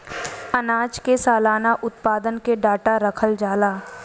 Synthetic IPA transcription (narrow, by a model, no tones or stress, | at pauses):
ənaːd͡ʒkesaːlaːnaʔʊt̪̚paːd̪ənkeɖaːʈaɾəkʰəld͡ʒaːlaː